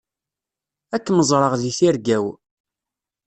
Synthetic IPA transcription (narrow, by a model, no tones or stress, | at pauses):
ækːməzˤɾˤəʁðiθiɾɡæw